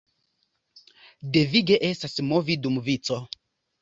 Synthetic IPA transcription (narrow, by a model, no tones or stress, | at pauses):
deviɡɛʔɛsasmɔvidumuvit͡sɔ